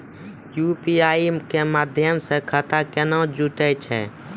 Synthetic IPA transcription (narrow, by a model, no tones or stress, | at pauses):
jupiaːikemaːd̪ʱjəmsekʰət̪akenɔ̃d͡ʒuʈɛt͡ʃʰɛ̰